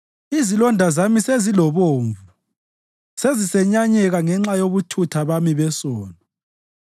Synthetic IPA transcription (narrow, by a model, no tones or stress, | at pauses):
izilɔndʱazamisezilɔβoːɱvu | sezisɛɲaɲɛɣaŋɛŋ͡ǁajoβutʰutʰaβamiβɛsɔːnɔ